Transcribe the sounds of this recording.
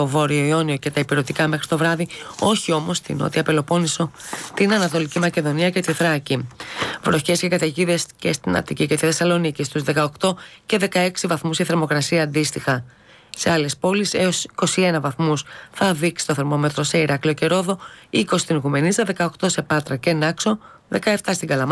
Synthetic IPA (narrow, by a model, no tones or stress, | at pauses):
o̞vo̞ɾio̞io̞nio̞ce̞t̪ɐipiɾo̞t̪ikɐme̞xɾit̪o̞vɾɐðio̞çio̞mo̞st̪ḭno̰t̪iɐpelo̞po̞niso̞t̪inɐnɐt̪o̞licimɐce̞ðo̞niɐce̞t̪iθɾɐcivɾo̞çe̞scekɐt̪ɐʝiðesce̞st̪inɐ̰t̪icicet̪iθe̞sɐlo̞nicist̪uzðe̞kɐokt̪o̞ce̞ðe̞kɐe̞ksivɐθmuzʝeθeɾmo̞kɾɐsiɐːnd̪ist̪ixɐ | se̞ɐle̞spo̞liseosiko̞sie̞nɐvɐθmusθɐðiksi̥t̪o̞θe̞ɾmo̞me̞t̪ɾose̞iɾɐklioce̞ɾo̞ðo̞iko̞si̥t̪inɣume̞nizɐðe̞kɐo̞kt̪o̞se̞pɐt̪ɾɐce̞nɐkso̞ | ðe̞kɐeft̪ɐst̪iŋɡɐlɐm